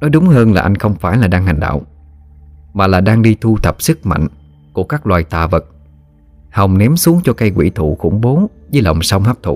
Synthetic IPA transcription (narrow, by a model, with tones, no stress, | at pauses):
nɔ˨˦jɗʊ˨˦ŋ͡mhəː˧nlaː˨˩ʔa˧jŋ̟xə˧wŋ͡mfaː˧˩jlaː˨˩ɗaː˧ŋɦa˨˩jŋ̟ɗa̰ː˧˨w | maː˨˩laː˨˩ɗaː˧ŋɗi˧t̪u˧t̪ʰə˨˩p̚sɨ˦˥k̚ma̰˧˨jŋ̟ | ku˧˩əkaː˦˥k̚lwaː˨˩jt̪aː˨˩və˨˩t̚ | ha˨˩wŋ͡mnɛ˨˦msu˨˦əŋt͡ɕɔ˧ka˧jkwḭ˧˩˨t̪ʰṵ˧˨xʊ̰˧˩ŋ͡mɓo˨˦zi˧˨˦lə̰˨˩wŋ͡msa˧wŋ͡mhaː˦˥p̚t̪ʰṵ˧˨